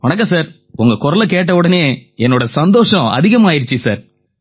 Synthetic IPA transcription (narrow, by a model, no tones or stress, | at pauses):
ʋɔɳɐkːɐsaːɾ | ʊŋɡɐkʊɾɐlɐkeːʈ̬ːɐʋɯɽɐneːɛnːoːɽɐsɐnd̪oːʂɐ̃ɐ̰ðɪɣɐmaːjɪɾɯt͡ʃːɯsaːɾ